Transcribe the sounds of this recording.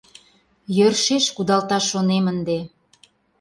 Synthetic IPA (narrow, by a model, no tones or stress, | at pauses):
jørʃeʃkud̪ɑlt̪ɑʃːonemənd̪e